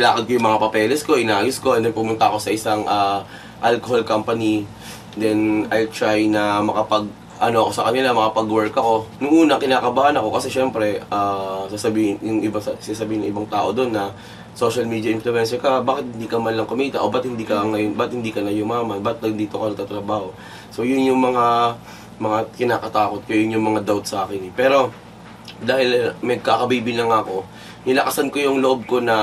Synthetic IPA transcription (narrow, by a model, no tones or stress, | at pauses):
ɪlaːkɐd̪̚kojʊŋmɐŋapɐpɛːlɛsko̞ʔɪnaːʔɐjʊsko̞ʔɛnd̪ɛnpʊmʊnt̪ɐʔɐko̞sɐʔɪsaŋʔaː | ʔalkoholkampɐni | d̪ɛnɐjlt̪ɹajnɐmɐkɐpɐɡ̚ | ʔɐno̞ʔɐko̞sɐkɐnɪlamɐkɐpɐɡwɛɹkɐko̞nʊŋʔuːnɐkɪnaːkɐbaːhanɐko̞kɐsɛʃɛmpɾɛʔaːsasɐbiːɪnjʊŋʔɪbassɪnaːs̬ɐbiːhɪnːɐŋʔɪbaŋt̪aːʔo̞d̪o̞nːɐ | so̞ʃɐlmiːd̪jɐʔɪnflʊʔɛnsɛɹkɐbaːkɪt̪hɪnd̪iːkɐmɐnlɐŋkʊmiːt̪ɐʔobɐt̪̚hɪnd̪iːkɐŋɐjonbɐɪt̪̚hɪnd̪iːkɐnɐjʊmaːmɐnbɐt̪̚nɐɡnd̪iːt̪okɐnɐɡt̪aːt̪ɾɐbaːho̞ | so̞jʊŋjʊŋmɐŋa | mɐŋakɪnaːkɐt̪aːko̞t̪̚kojʊŋjʊŋmɐŋad̪awt̪̚sɐʔaːkɪnɛpɛːɾo̞ | d̪aːhɪlmɐɡ̚kaːkɐbiːbɪnɐŋɐko̞ | nɪlɐkɐsɐnko̞jʊŋloʔob̚ko̞nɐ